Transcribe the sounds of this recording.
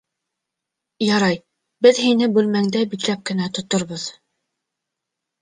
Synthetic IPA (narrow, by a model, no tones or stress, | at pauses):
jɑɾɑj | bɘðɦinɘbʉlmæŋd̪æbik̪læp̚kɘ̆næt̪ŏt̪ŏɾβoð